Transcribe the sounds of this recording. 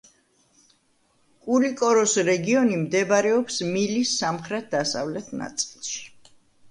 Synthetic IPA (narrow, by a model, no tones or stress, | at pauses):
kʼuɾikʼɔɾɔsɾɛɡiɔnimd̪ɛbaɾɛɔpsmilisːamχɾɛt̪̚d̪asa̰vlɛt̪ʰna̰t̪sʼilˠʃi̥